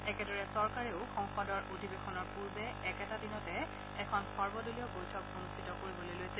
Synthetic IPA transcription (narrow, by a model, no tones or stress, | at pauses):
ɛkɛdɔɹɛsɔɹkaɹeʊxɔŋxɔdɔɹʔodʱibexɔnɔɹpuɹbɛːkɛtadinɔtɛ | ɛkʰɔnxɔɹbɔdolijɔbojtʰɔk̚onustʰitɔkoɹibɔlojlojsɛ